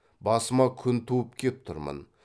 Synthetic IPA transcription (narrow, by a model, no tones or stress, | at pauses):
bɑsəmɑkʲʰʏnt̪ʰuəpkʲʰep̚t̪ʰʊɾmə̰n